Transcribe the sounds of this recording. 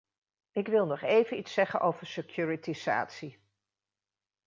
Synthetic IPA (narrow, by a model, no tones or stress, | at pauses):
ɪkʋɪlˠnɔχejvənitsɛχənʔowvəɹsekjuːɹitiza̰ːtsi